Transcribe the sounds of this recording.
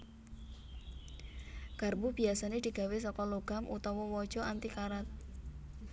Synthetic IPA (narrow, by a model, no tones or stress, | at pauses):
karbub̥iasaned̪̥i̤ɡ̥a̤wes̬ɔkɔloɡ̥a̤mʔṵt̪ɔwɔwɔd̥ʒ̥ɔʔant̪ikaɾat̪̚